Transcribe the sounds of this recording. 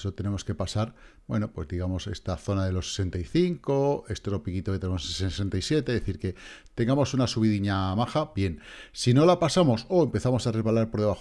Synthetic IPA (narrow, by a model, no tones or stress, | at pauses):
sot̪ene̞mo̞ske̞pasaɾ | bwe̞no̞pwe̞zðiɣ̞amo̞se̞̰st̪aθo̞naðe̞lo̞se̥se̞nt̪aiθiŋko̞e̞st̪ɾo̞pikit̪oket̪enemossesessent̪aisje̞t̪e̞ðeθiɾke̞t̪e̞ŋɡamo̞sunasuβiðiɲamaxabje̞nsino̞lapasamo̞so̞empe̞θamo̞sare̞zβalaɾpo̞ɾðe̞βa